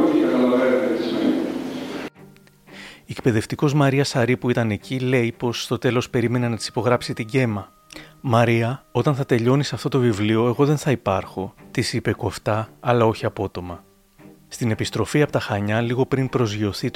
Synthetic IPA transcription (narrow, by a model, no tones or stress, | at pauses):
t̪ijɐkɐlɐvɐɾet̪s | ekpe̞ðe̞ft̪iko̞zmɐɾiɐsɐɾipuit̪ɐne̞cile̞ipo̞sːt̪o̞t̪e̞lo̞spe̞ɾime̞ne̞nɐt̪i̥si̥po̞ɣɾɐpsit̪iɲɟe̞mɐ | mɐɾiɐo̞t̪ɐnθɐt̪e̞ʎo̞nisɐft̪o̞t̪ovivlio̞e̞ɣo̞ðe̞nθɐipɐɾxo̞t̪isipeko̞ft̪ɐːlɐo̞çiɐpo̞t̪o̞mɐ | st̪ine̞pist̪ɾo̞fiɐpot̪ɐxɐɲɐliɣo̞pɾinpɾo̞zʝo̞θit̪